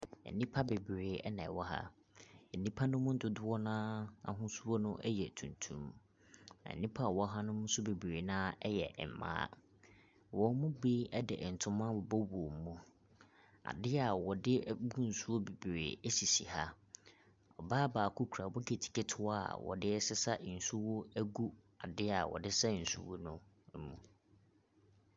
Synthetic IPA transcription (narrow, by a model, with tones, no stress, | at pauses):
ɛ̰˨nĩ˦pʰa˦be˨bɾeː˨˦ɛ˦nɛ̃˨wɔ˦ɦa̰˦ | ɛ˨nĩ˦pʰa˦nʊ̃˦mʊ̃˦n̩˦dʊ˦dʊ˦ɔ˦nãː˦a̰˨ɦʊ̃˦su˦o˦nʊ̃˦ʔɛ˦jɛ˨tʰũ˨ntʰṵ̃˦m | ɛ̰˨nĩ˦pʰa˦˨wɔ˦ɦa˦nʊ̃˦mʊ̃˦n˦sʊ˦be˨bɾeː˨nãː˦ɛ˦jɛ̰˨m˨mã̰ː˦ | wɔ˨˦mʊ̃˦bi˦ɛ˦dɪ̰˨ʔn̩˨tʰʊ̃˦mã˦wɔ˨bɔ˦wu˨o˨mũ˦ | a̰˨dɪ˦a˨wɔ˨dɪ˦bu˦n̩˨su˦o˦be˨bḛː˨e˦si˨sḭ˨ha˦ | ɔ˨baː˦baː˨kʰu˦kʰɾa˨bɔ˦ɡe˨tʰi̥˨ke˦tʰʊ˦wa˦˨wɔ̰˨dɪ˦ɛ˦sɪ˦sa˦ʔn̩˨su˦wʊ˦æ˦ɡu˦ | a˨dɪ˦a˨wɔ̰˨dɪ˦sa˦n̩˨sṵ˦wo˦nʊ̃˦ | mũ˨